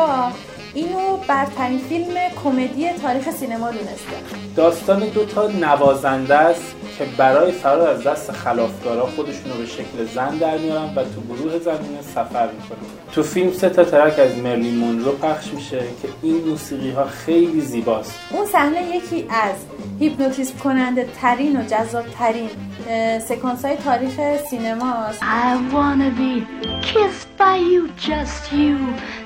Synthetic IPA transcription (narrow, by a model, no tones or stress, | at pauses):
ʔiːnobæɾt̪ʰæɾiːnfilme̞kʰome̞d̪ijet̪ʰɒːɾiːxesiːne̞mɒːd̪uːne̞st̪æ̰nd̪̥ɒːst̪ɒːned̪ot̪ʰɒːnævɒːzænd̪æst̪ | cʰe̞bæɾɒːje̞fæɾɒːɾæzd̪æst̪exælɒːfɡɒːɾɒːxod̪e̞ʃuːnobe̞ʃe̞cʰlezænd̪æɾmijɒːɾænvæt̪ʰuɡoɾuːhe̞zæmiːnesæfæɾmiːkʰo̞næn | t̪ʰufilmse̞t̪ʰɒːt̪ʰæɾækæzme̞ɾlimonɾopʰæχʃmiːʃe̞cʰe̞iːnmuːsiːɣiːɦɒːxe̞jliːziːbɒːst̪ʔunsæhne̞je̞cʰiːʔæz | hipʰnot̪ʰismkʰo̞nænd̪et̪ʰæɾiːno̞d͡ʒæzːɒːb̥̚t̪ʰæɾin | se̞kʰɒːnsɒːjet̪ʰɒːɾiːχe̞siːnemɒsaɪwɑnəbikʰɪst̚b̥aɪjud͡ʒʌstju